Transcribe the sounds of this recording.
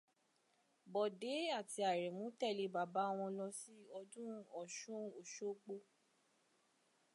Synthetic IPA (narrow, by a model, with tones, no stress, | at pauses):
bɔ˨de˨˦a˦˨ti˧a˨ɾɛ˨mũ˨˦tɛ˦˨le˧ba˨ba˨˦˨w̃ɔ̃˧lɔ˧si˦ɔ˧dũ˦ɔ˨ʃũ˦o˨ʃo˦k͡po˦